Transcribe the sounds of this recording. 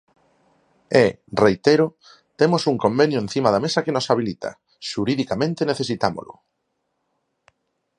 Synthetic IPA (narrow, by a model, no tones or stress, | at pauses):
ɛ | rejt̪eɾʊ | t̪emosuŋkombenjʊen̟θimaðamesɐkenosaβ̞ilit̪a̰ | ʃuɾiðikamẽnt̪eneθesit̪amo̰lʔʊ̰